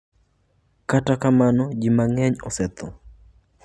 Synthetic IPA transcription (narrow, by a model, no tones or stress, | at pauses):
katakamanɔd͡ʒimaŋɛɲɔsɛt̪ʰɔ